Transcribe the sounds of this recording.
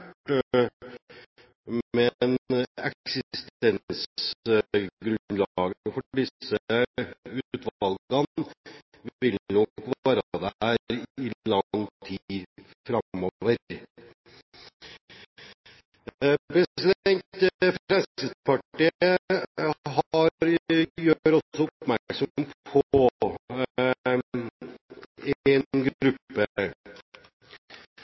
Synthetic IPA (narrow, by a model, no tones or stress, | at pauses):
ʈ | mɛnɛ̰ksɪst̪ɛns | ɡɾʉnd̪lɑɡənəfɔɖɪsːə | ʉːt̪ʋɑlɡɑn | ʋʋɪlnɔkʋɑːɾd̪ææɾɪlɑŋt̪ʰi | fɾɑmɔʋəɾ | bəslɛŋt̪əəfɾɛlsəpɑʈːiə | ɦɑɾjøɾɔsɔʊpmæksɔmppʰɔ | ɛnɡɾʉpːə